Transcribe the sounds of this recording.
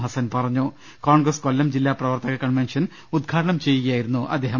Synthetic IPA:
ɦɐsɐnpɐrɐɲːu | koːɳɡrɐskolːɐmd͡ʑilːaːprɐʋɐrt̪ɐɣɐkɐɳʋenʂɐn | ud̪̚ɡʰʱaːʈɐɳɐmt͡ɕe̞jːuɣɐjaːjiɾunːuʔɐ̰d̪ːeːɦɐ

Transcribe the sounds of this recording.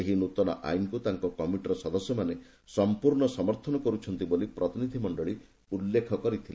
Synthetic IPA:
eɦinut̪ɔnɔ̰ʔa̰jnkut̪aŋkɔkɔmiʈɾɔsɔd̪ɔsjɔmane | sɔmpuɾɳɔsɔmɔɾt̪ʰɔnɔkɔɾut͡ʃʰɔnt̪ibolipɾɔt̪inid̪ʱimɔɳɖɔɭi | ulːekʰɔkɔɾit̪ʰile

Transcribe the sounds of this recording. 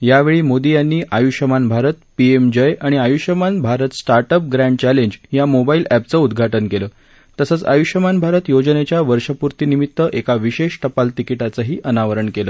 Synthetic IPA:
jaʋeɭiːmod̪ijanːiːʔajuɕəmanbʱaɾət̪piemd͡ʑəjʔaɽ̃iajuɕəmanbʱaɾət̪sʈaɾʈəp̚ɡɾæ̃ɳɖ̚t͡ɕæleɲd͡ʑjamobailæp̚t͡səud̪ɡʱaʈənkeləː | t̪əsət͡sa̰juɕəmanbʱaɾət̪jod͡ʑnet͡ɕjaʋəɾʂəpuɾt̪iːnimit̪ːəʔekaʋiɕeʂʈəpalt̪ikiʈat͡səɦiːʔənaʋəɾəɳkeləː

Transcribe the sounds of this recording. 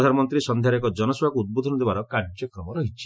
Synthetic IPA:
d̪ʱanɔmɔnt̪ɾisɔnd̪ʱjaɾɔkɔd͡ʒɔnɔsbakuud̪̚bod̪ʱɔnɔd̪ebaɾɔkaɾd͡ʒjɔkɾɔmɔɾɔɦit͡ʃʰi̥

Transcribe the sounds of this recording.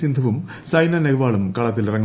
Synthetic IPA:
ind̪ʱɐʋum | sɐjnɐneɣʋaːɭumkɐɭɐt̪ːilirɐŋː

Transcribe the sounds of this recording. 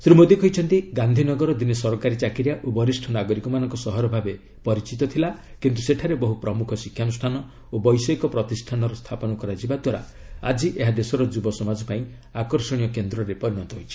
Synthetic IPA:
sɾimod̪ikʰɔɦjt͡ʃʰɔnt̪iɡand̪ʱinɔɡɔɾɔd̪inesɔɾɔkaɾit͡ʃakiɾjaʔobɔɾisʈʰɔnaɡɔɾikɔmanɔŋkɔsɔɦɔɾɔbʱabe | pɔɾit͡ʃit̪ɔt̪ʰilakint̪useʈʰaɾebɔɦupɾɔmukʰɔsikʰjanusʈʰanɔ | obɔjsɔikɔpɾɔt̪isʈʰanɔɾɔst̪ʰapɔnɔkɔɾad͡ʒibad̪waɾa̰ | a̰d͡ʒiʔeɦad̪esɔɾɔd͡ʒubɔsɔmad͡ʒɔpaĩ | akɔɾsɔɽ̃ijɔkend̪ɾɔɾepɔɾiɽɔnt̪ɔɦojt͡ʃʰi̥

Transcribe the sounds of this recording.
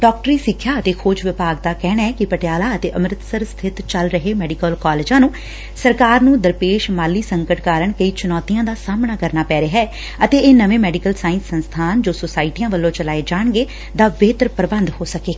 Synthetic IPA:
ɖɔːk̚ʈəɾiːsɪkʰːjaːət̪eːkʰoːd͡ʒʋɪpaːɡ̚d̪aːkɛːɽaːɛːkɪpəʈɪjaːlaːət̪eːʔəmɾɪt̪səɾst̪ʰɪt̪t͡ʃəlɾəɦeːmɛːɖikəlkɔːleːd͡ʒãːnũː | səɾkaːɾnũːd̪əɾpeːʃmaːlːiːsəŋkəʈkaːɾəɳkəiːt͡ʃʊnɔːt̪ijãːd̪aːsaːmɳaːkəɾnaːpɛːɾeːɦɛː | ət̪eːʔeːnəʋẽːmɛːɖikəlsaːɪ̃nsːənst̪ʰaːnd͡ʒoːsoːsaːɪʈijãːʋəlːõːt͡ʃəlaːeːd͡ʒaːɳ̃ɡeː | d̪aːbeːt̪ɾpɾəbənd̪hoːsəkeː

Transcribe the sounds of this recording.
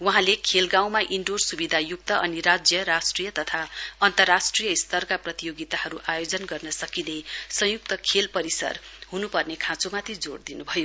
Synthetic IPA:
wʌɦãlekʰelɡaw̃maʔiɳɖorsubid̪ʱajuk̚t̪ʌʔʌniɾad͡zjʌɾasʈrijʌt̪ʌt̪ʰaʌnt̪ʌrːasʈrijʌist̪ʌrkaprʌt̪ijoɡit̪aɦʌɾuʔajod͡zʌnɡʌrnʌsʌkinejsʌ̃juk̚t̪ʌkʰelpʌɾisʌ̰rɦunupʌrnekʰãt͡somat̪ʰid͡zo̰ɽd̪inubʱʌjo

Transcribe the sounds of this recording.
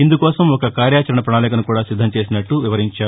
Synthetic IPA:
ind̪ukɔːsɐmɔkɐkaːɾjaːt͡ʃɐɾɐɳɐpɾɐɳaːlɛːkɐnukuːɽaːsid̪ʱːɐmt͡ʃe̞ːsinɐʈːuʋiʋɐɾiɲt͡ʃaː

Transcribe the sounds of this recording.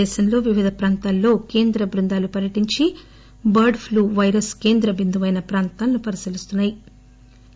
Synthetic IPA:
ɛːʃɐmlo̞ːʋiʋid̪ʱɐpɾaːnt̪aːlːo̞ːke̞ːnd̪ɾɐbɾund̪aːlupɐɾjɐʈiɲt͡ʃi | bɐɾɖpʰluːʋɐjɾɐske̞ːnd̪ɾɐbind̪uʋɐjnɐpɾaːnt̪aːlɐnupɐɾisilist̪unːaːji

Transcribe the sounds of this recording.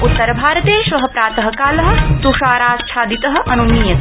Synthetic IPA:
ut̪ːɐɾbʱaːɾɐt̪eːʃʋɐɦɐpɾaːt̪ɐɦɐkaːlɐɦɐ̆t̪uʂaːɾaːst͡ʃʰaːd̪it̪ɐɦɐ̆ʔɐnuniːjɐ

